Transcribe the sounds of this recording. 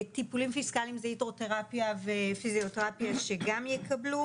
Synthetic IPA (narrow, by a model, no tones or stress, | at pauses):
t̪ipulimfiskalimzeitʁote̞ʁapjavefizijoteʁapjaʃeɡamjɛkʰɐblu